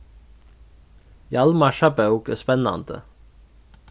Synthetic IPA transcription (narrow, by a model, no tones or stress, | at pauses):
jɑlmɑʃɑbæːukəspɛnɑ̰nd̪ə̰